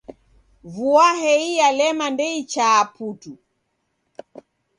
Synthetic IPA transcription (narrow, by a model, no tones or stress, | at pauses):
vuaɦɛijalɛmandɛit͡ʃaːputu